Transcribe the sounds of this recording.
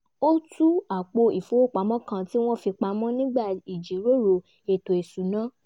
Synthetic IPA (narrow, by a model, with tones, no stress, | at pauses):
o˦tu˦a˨k͡po˧i˨fo˨˦o˦˨k͡pa˨˦mɔ̃˦kã˧ti˦w̃ɔ̃˦fi˧k͡pa˧mɔ̃˦nĩ˦ɡ͡ba˦˨i˨d͡ʒi˨˦ɾo˦ɾo˧ | e˨to˨e˨su˨˦nã˨˦